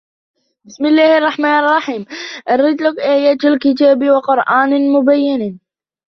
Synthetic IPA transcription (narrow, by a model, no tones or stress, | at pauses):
bɪsmɪlːaːhʔɑrˤːɑħmaːnɑrˤːɑħiːmʔɑɾˤːɪt̪lakʔaːjaːt̪alkɪt̪̬aːbwɑqʊɾʔaːnmʊbajːɪn